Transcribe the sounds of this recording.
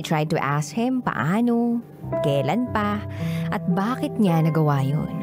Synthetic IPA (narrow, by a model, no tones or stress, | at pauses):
t̪ɹajd̪̚t̪uʔashɪmpɐ̰ʔaːno | kɛːlɐnpɐʔɐt̪̚baːkɪt̪̚ɲanɐɡɐwaːjo̰n